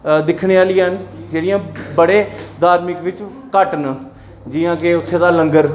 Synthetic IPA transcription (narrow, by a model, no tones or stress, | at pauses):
d̪ɪkʰɳeːaːlɪãɦənd͡ʒeːɽɪjãːbəɽeːd̪aːɾmɪkʋɪt͡ʃ | kəʈn | d͡ʒijãːkeʊt̪ʰːeːd̪aːləŋɡəɾ